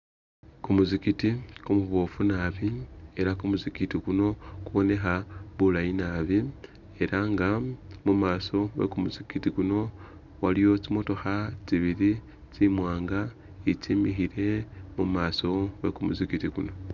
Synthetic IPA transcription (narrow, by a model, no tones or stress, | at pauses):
kumuzikitikumuβofunaβie̞ɾakumuzikitikuno̞kuβo̞ne̞xaβulainaβi | e̞ɾaŋɡamumaːso̞βḛkumuzikitikuno̞ | walijo̞t͡simotoxat͡ʃiβiɾi | t͡simwaːŋɡa | it͡ʃimixiɾe̞mumaːso̞βḛkumuzikitikuno̞